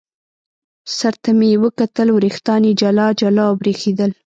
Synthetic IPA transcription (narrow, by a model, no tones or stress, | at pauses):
saɾt̪amewəkat̪əlwɾixt̪ɑnid͡ʒalɑd͡ʒalɑbɾexed̪əl